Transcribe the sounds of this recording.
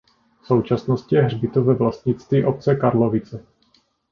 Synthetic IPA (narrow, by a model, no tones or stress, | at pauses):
fso̞wt͡ʃasnoscɪjɛɦrbɪt̪ovɛvlast̪̚ɲɪt͡st̪viːʔo̞p̚t͡sɛkaɾlovɪt͡sɛ